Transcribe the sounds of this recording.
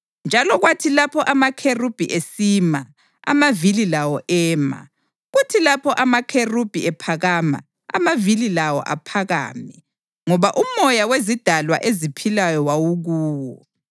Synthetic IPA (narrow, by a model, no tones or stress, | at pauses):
nd͡ʒʱalɔɣwatʰilapʰɔʔamakʰerub̥ʱiʔesima | a̰mavililawɔʔɛːma̰ | ɣutʰilapʰɔʔamakʰerub̥ʱiɛpʰaɣama̰ | a̰mavililawɔ̰ʔa̰pʰaɣa̰ːmɛ | ŋɔβaʔumɔjawezid̥ʱalwa̰ʔezipʰilajɔwawuɣuːwɔ